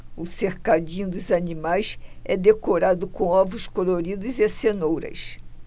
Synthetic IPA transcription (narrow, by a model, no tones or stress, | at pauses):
ʊseɾkad͡ʒĩɲʊd̪ʊzanimajsɛd̪ekoɾad̪ʊkõw̃ɔvɾʊskoloɾid̪ʊzesenowɾɐ̰s